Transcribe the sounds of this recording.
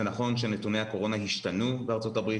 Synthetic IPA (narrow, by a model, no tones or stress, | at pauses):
enaχo̞nʃenetunehako̞ʁo̞naɦiʃtanubeaʁt͡so̞tabʁi